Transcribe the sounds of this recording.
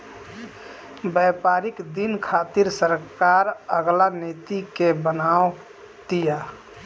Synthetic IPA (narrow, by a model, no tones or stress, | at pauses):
bəpaɾikd̪inkʰat̪iɾsəɾkaɾəɡlanet̪ikebənao | t̪ija